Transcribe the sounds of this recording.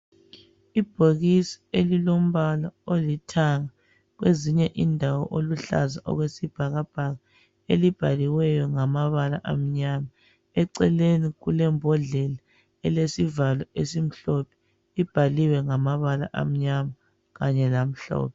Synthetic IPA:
ib̥ʱoɣisi̥elilom̩βalaolitʰaŋa | ɣweziɲɛʔindʱawɔ̰ʔoluɬa̰zaʔɔ̰ɣwesib̥ʱaɣab̥ʱaɣa | elib̥ʱaliwɛjɔŋamaβala̰ʔa̰m̩ɲama | ɛǀɛleniɣulɛmbʱɔɮɛla | ɛlesivalɔesim̩ɬɔpʰɛ̥ | ib̥ʱaliwɛŋamaβala̰ʔa̰m̩ɲama | ɣaɲɛlam̩ɬɔ̰ːp̚ʰɛ

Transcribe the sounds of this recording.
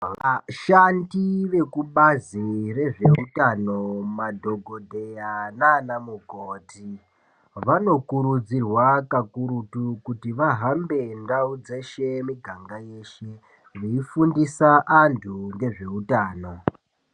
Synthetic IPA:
ʋaʃandiʋe̞kuɓazire̞ʐe̞̰utano̞madʱo̞ɡʱo̞dʱe̞janaːnamukoːti | ʋano̞kuɾud͡zirwakakuɾutukutiʋaɦambe̞ndaud͡ze̞ʃe̞miɡʱaŋɡaje̞ʃe̞ | ʋeifundisaʔantʰuŋɡe̞ʐe̞utaːno̞

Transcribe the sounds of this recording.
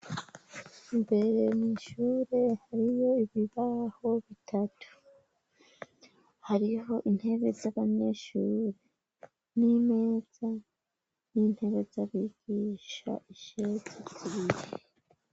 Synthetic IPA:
imbe̞ɾe̞miʃuːɾe̞haɾijo̞iβiβaho̞βitʰatu̥ | haɾiɦo̞ʔin̥he̞βe̞zaβaɲe̞ʃuːɾe | nime̞ːz̥a | nin̥he̞βe̞zaβiɡ̥iʃa̰iʃeziziβiɾe

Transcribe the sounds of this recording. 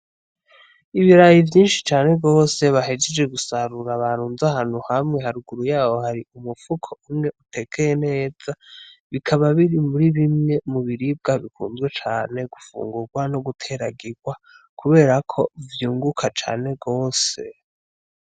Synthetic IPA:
iβiɾajivjiːnʃi̥t͡ʃaːne̞ɡo̞ːse̞βaɦed͡ʒed͡ʒɡe̞ɡusaɾuɾaβaɾuːnzaɦaːn̥huhamŋe̞ɦaɾuɡuɾujaːwo̞haɾiumufukʰoumŋe̞ʔutʰe̞kejene̞ːz̥aβikʰaβaβiɾimuɾiβimŋe̞muβiɾib̚ɡaβikʰṵːnzɡwe̞t͡ʃaːne̞ɡ̥ufṵːŋɡuɾɡwano̞ɡutʰe̞ɾaɡiɡwa | kʰuβe̞ːɾakʰo̞vjuːŋɡukʰat͡ʃa̰ːne̞ɡo̞ːse̞

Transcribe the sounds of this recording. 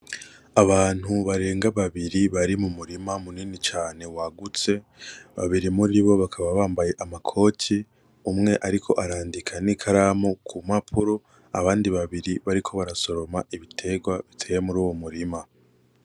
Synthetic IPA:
aβaːn̥huβaɾe̞ːŋɡaβaβiɾiβaɾimumuɾimamuniːnit͡ʃaːne̞waɡut͡se̞ | βa̰βiɾimuɾiβo̞βakʰaβaβaːmbaje̞ʔamakʰo̞ːtʰi | umŋe̞ʔaɾikʰo̞̰ʔaɾaːndikʰanikʰaɾamukʰumapʰuɾo | a̰βaːndiβaβiɾiβaɾikʰo̞βaɾaso̞ɾo̞maiβitʰe̞ɡwaβitʰeːjemuɾuːwo̞muɾima

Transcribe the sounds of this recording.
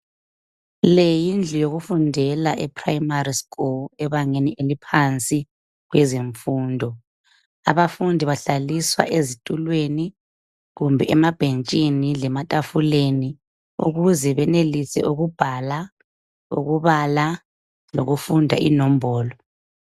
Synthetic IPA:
lejind͡ɮʱijoɣufundʱɛlaʔɛpʰrajimariskʼulɛβaŋeniʔelipʰant͡sʼi | ɣwɛzeɱfuːndʱɔ | aβafundʱiβaɬaliswa̰ʔezitʼulweni | ɣumbʱɛʔɛmab̥ʱent͡ʃʼinilɛmatʼafuleni | ṵɣuzɛβɛnelisɛ̰ʔuɣub̥ʱala | ṵɣuβala | lo̰ɣufundʱa̰ʔḭnɔm̩bʱɔːlɔ

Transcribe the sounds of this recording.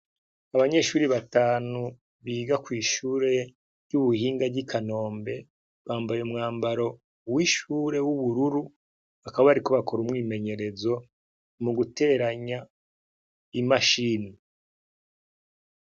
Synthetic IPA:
aβaɲe̞ʃuːɾiβataːnu | βiːɡakwiːʃuːɾe̞ | juβuhiːŋɡaɟikʰano̞ːmbe̞ | βaːmbajemŋaːmbaɾo̞ | wiʃuːɾe̞wuβuɾuɾu | akaβaβaɾiko̞βakʰo̞ɾumŋiːme̞ɲe̞ɾe̞zo̞ | muɡute̞ɾaɲa | imaʃiːni

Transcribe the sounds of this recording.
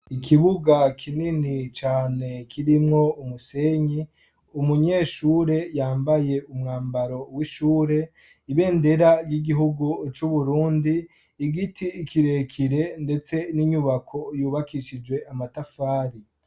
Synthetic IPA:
ikʰiβuɡakʰininit͡ʃaːne̞kʰiɾimŋo̞umuse̞ɲi | umuɲe̞ːʃuːɾe̞jaːmbaje̞umŋaːmbaɾo̞wiʃuːɾe̞ | iβe̞ːnde̞ɾaɾjiɡiɦuɡut͡ʃuβuɾuːndiː | ɡitʰiːkiɾe̞kʰiɾe̞nde̞t͡se̞niɲuβakʰo̞juːβakiʃid͡ʒwe̞ʔamatafaːɾi

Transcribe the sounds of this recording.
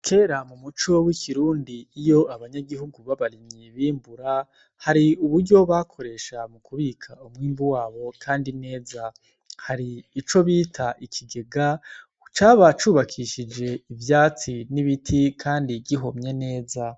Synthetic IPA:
kʰe̞ːɾamumut͡ʃo̞wikʰiɾuːndiːjo̞aβaɲaɡiɦuɡuβaβaɾimɲijeβiːmbuɾa | haɾiuβuɾɟo̞βakʰo̞ɾe̞ʃamukʰuβiːkʰaumŋiːmbuwaːβo̞kʰaːndine̞ːza | haɾiːt͡ʃo̞βiːtʰaʔikʰiɡe̞ɡa | ut͡ʃaːβat͡ʃuːβakʰiʃid͡ʒe̞ivjaːt͡siniβitʰikʰaːndiɟiɦo̞mɲene̞ːza

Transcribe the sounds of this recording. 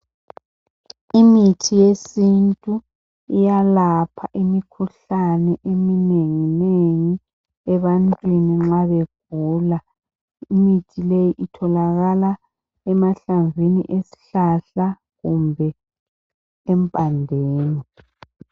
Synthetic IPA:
imitʰijesintʼu | ijalapʰaʔimikʰuɬanɛʔemineŋineŋi | ɛβantʼwiniŋ͡ǁaβeɡ̥̚ʱuːla | imitʰilejiʔitʰɔlaɣala | ɛmaɬaɱvʱinḭʔesi̥ɬaɬa | ɣumbʱɛ | mpʼandʱɛːni

